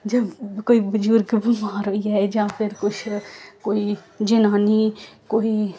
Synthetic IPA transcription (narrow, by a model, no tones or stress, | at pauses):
d͡ʒɐbkoːibɐd͡ʒuːɾkebimaːɾɦoːiaːed͡ʒãːpʰɪɾkʊt͡ʃʰkoːi | d͡ʒɪnaːnikoːi